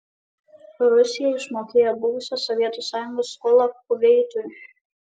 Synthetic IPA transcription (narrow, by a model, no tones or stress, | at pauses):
ɾʊsʲɪjɛɪʃmoːkʲeːjɛbʊʋʊsʲosɔʋʲiɛt̪uˑsɑːjʊŋɡoːskɔːlˠɐkʊʋʲɛɪt̪ʊj